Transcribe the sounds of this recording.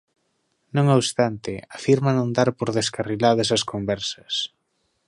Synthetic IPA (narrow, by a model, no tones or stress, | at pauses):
nõŋoβst̪ant̪ɪafiɾmanõnd̪aɾpoɾðeskarilaðɐs̬ɐskombɛɾsɐs